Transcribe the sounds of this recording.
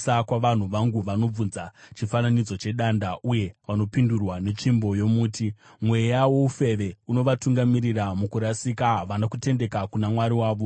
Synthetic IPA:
sakwaʋan̤uʋaŋɡuʋano̞b͡vunzat͡ʃifananid͡zo̞t͡ʃe̞ɗaːndauje̞ʋano̞pindurwane̞t͡ʃimbo̞jo̞muːti | mwe̞jawo̞ufe̞ʋe̞uno̞ʋatuŋɡamiɾiramukuɾasikaʋanakute̞nde̞kakunamwaɾiwaːʋo̞

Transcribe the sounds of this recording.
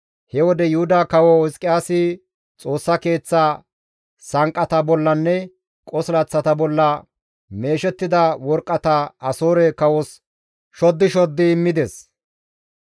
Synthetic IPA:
hɛwɔd̪ɛjʊhʊd̪aːkɐwɔɪskʼːɪjaːsɪ | t͡sʼo̞ːsːɐke̞ːt͡sːaː | sɐŋkʼɐt̪ɐbɔlːɐnːɛ | kʼɔslɐt͡sːɐt̪ɐbɔlːɐ | me̞ːʃɛt̪ːɪd̪ɐwɔɾkʼːɐt̪ɐɐsoːɾɛkɐwɔs | ʃɔd̪ːɪʃɔd̪ːɪːmːɪd̪ɛs

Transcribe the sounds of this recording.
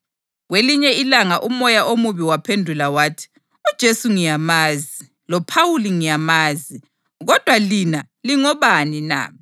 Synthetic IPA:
ɣweliɲɛilaŋaʔumɔjaʔomuβiwapʰendʱulawaːtʰi̥ | ud̥ʒ̥ʱesuŋijamaːzi | lɔpʰawuliŋijamaːzi | ɣɔd̥ʱwalina | liŋɔβanina̰ːm

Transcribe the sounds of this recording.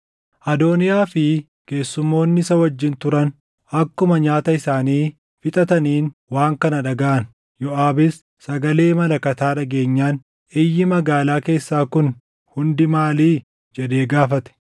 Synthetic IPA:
ʔɐd̪o̞ːnɪjaːfɪ | ke̞ːsːʊmːo̞ːnːɪsɐwɐd͡ʒːɪnt̪ʊɾɐn | ɐkːʊmɐɲaːt̪ɐɪsaːniː | fɪt̪ʼɐt̪ɐniːnwaːŋkɐnɐᶑɐɡɐʔɐn | jɔʔaːbɪs | sɐɡɐle̞ːmɐlɐkɐt̪aːᶑɐɡe̞ːɲːaːn | ɛjːɪmɐɡaːlaːke̞ːsːaːkʊn | hʊnd̪ɪmaːliː | d͡ʒɛd̪e̞ːɡaːfɐt̪ɛ̥

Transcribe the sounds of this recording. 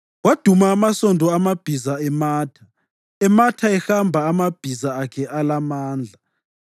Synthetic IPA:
wad̥ʱumaːmasɔndʱɔamab̥ʱizaɛmaːtʰḁ | ɛmatʰaɛhambʱaːmab̥ʱizaːkʰɛʔalamaːnd͡ɮʱa

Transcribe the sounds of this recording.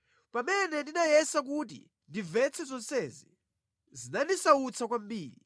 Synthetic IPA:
pamɛnɛndinajɛsak̬ut̬ḭ | ndivɛt͡sʰɛzɔnsɛzḭ | zinandisaut͡sʰakwambiːli

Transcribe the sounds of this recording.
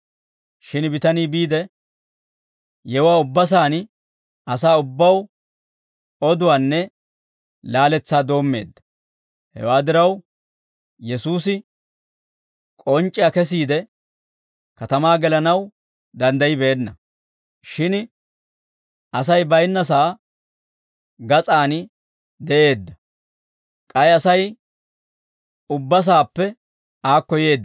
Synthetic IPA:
ʃɪnbɪt̪ɐniːbiːd̪ɛ | jɛwaːʊbːɐs̬aːn | ɐs̬aːʊbːɐw | ɔd̪ʊwaːnːɛ | laːlɛt͡sːaːd̪o̞ːmːe̞̰ːd̪ːɐ̥ | hɛ̰waːd̪ɪɾɐw | jɛsuːsɪ | kʼɔnt͡ʃʼːɪjakɛs̬iːd̪ɛ | kɐt̪ɐmaːɡɛlɐnɐw | d̪ɐnd̪ɐjɪbe̞ːnːɐ | ʃɪn | ʔɐs̬ɐjbɐjnːɐs̬aː | ɡɐt͡sʼaːnɪ | d̪ɛʔe̞ːd̪ːɐ | kʼɐjɐsɐj | ʊbːɐs̬aːpːɛ | aːkːɔje̞ːd̪ːɐ

